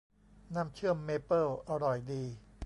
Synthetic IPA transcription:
na˥˩˨mt͡ɕʰɯ˥˩əmːeː˧˥pɤː˥˩ʔa˧ɾɔ˨˩jdiː˧

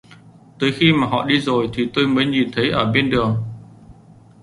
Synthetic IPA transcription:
t̪əː˨˦jxi˧maː˨˩ɦɔ̰˧˨ɗi˧zo˨˩jt̪ʰi˨˩t̪o˧jməː˨˦jɲi˨˩nt̪ʰə˨˦jʔəː˧˩ɓe˧nɗɨ˨˩əŋ

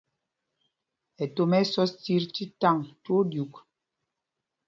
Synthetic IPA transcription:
ɛ˨to˨mɛ˦sɔ˦ti˦ɾti˦ta˦˨ŋto˦dju˨k

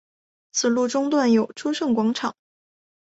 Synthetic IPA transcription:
t͡sʰɹ̩˨˩lu˥˩ʈ͡ʂʊ˥ŋt̪̬wa˥˩njo˨˩ʊʈ͡ʂʰu˥ʂɤ˥˩ŋkwɑ˧˥ŋʈ͡ʂʰɑ˨˩˦ŋ

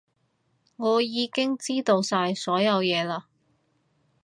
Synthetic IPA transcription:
ŋɔː˨˧jiː˨˧kɪ˥ŋt͡siː˥t̪o˧wsaː˧jsɔː˨˥jɐ˨˧wjɛː˨˧laː˧

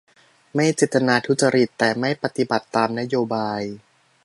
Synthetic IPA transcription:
ma˥˩jt͡ɕeː˨˩t̪ːa˧naː˧t̪ʰu˦˥t̪̚t͡ɕa˧ɾi˨˩t̪ːɛː˨˩ma˥˩jpa˧t̪i˨˩ba˨˩t̪ːaː˧mna˦˥joː˧baː˧j

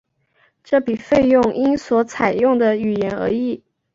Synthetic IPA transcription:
ʈ͡ʂɤ˥˩pi˨˩fe˥˧ɪjʊ˥˩ŋʔi˥nswɔ˧˥t͡sʰa˨˩ɪjʊ˥˩ŋd̪ə˨y˨˩jɛ˧˥nə̰˧˥i˥˩

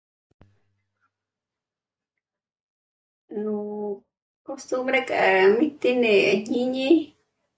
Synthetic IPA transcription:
nu˨ | kost̪umbɾe˦kʼa˨mi˦t̪i˦ne˨a˨ɲi˦ɲi˦

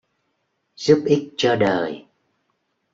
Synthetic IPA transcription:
z̥u˦˥p̚ʔi˦˥k̚t͡ɕɔ˧ɗəː˨˩j

